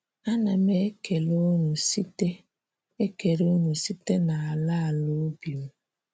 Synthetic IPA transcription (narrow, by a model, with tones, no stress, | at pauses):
a˦na˨me˦ke˨lo˦nu˨si˦te˦ | e˦ke˨ɾo˦nu˨si˦te˦na˨a˨la˦a˨lo˦bi˨m̩˦